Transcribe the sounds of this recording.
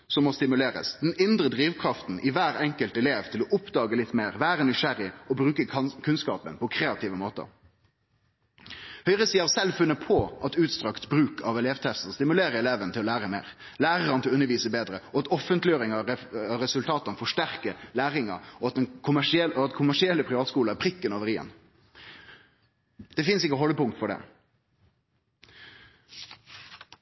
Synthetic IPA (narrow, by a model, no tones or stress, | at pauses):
sɔmːɔst̪ɪmʉleːɾə̰sd̪ɛnɪnd̪ɾəd̪ɾiːʋkʰʁɑft̪n̩ʔɪʋæːɾɛŋkəlt̪ɛleːʋt̪ʰɪlɔʔʊpd̪ɑːɡəlɪt̪ːmeːʁʋæːɾənɪʂæɾɪɔbɾʉːkəkʰʉnskɑ̰ːpə̰npʰɔkʰɾeːɑt̪ʰiːʋəmoːt̪ə̰ɾ | hœʏʁəsiːɑɾsɛlfʉnːəpʰɔʔɑt̪ʉːt̪st̪ɾɑkt̪bɾʉːkʰɑʋɛleːʋt̪ʰɛst̪əst̪ɪmʉleːɾəɾɛleːʋənt̪ʰɪlɔlæːʁəmeːʁ | læːʁəɾɑnt̪ɪlʉnːəɾʋiːsəbeːd̪ɾəɔɑt̪ɔfənt̪lɪjoːɾɪŋɑɾɛsʉlt̪ʰɑːt̪ɑnfɔʂtæʁkəlæːʁɪŋɑ̰ɔɑt̪̚d̪ɛnkʰʊmæʂɪɛlɔɑt̪kʰʊmæʂɪɛlːəpʰɾɪʋɑːt̪skuːlɑæpʰɾɪkːənoːʋəɾɪɛ̰n | d̪̥ɛfɪnsɪkːəɦɔləpʊŋt̪fɔɖɛ̰